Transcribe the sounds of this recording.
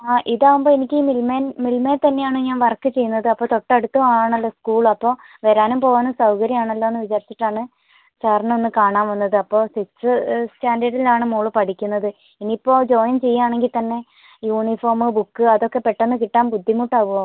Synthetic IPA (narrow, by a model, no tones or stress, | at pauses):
aːʔiðaːʋumboenikʲːiːmilmeːnmilmeːt̪ɐnːe̞jaːɳɨɲaːnʋɐrkːɨt͡ɕe̞jːunːɐðɨɐpːo̞ːt̪o̞ʈːɐɐɽut̪ːɐʋaːɳɐlːoskuːɭɐpːo̞ː | ʋɐɾaːnumpo̞ːʋaːnɨsɐwkɐɾjɐmaːɳɐlːoonːɨʋit͡ɕaːɾit͡ɕːi̥ʈːaːɳɨ | t͡ɕeːrɐɳɐonːɨkaːɳaːnʋɐnːɐðɨɐpːo̞ːsiksɨstaːndɐɽilaːɳɨmuːɭɨpɐʈʰikʲːunːɐðɨ | iniːpːo̞ːd͡ʑo̞ːjɐnt͡ɕe̞jːaːɳeŋɡilt̪ɐnːe̞ | juːɳifo̞ːrmɨbukːɨɐðo̞kːe̞pːe̞ʈːenːɨkiʈːaːmbud̪ʱːimuːʈːaːʋuʋaː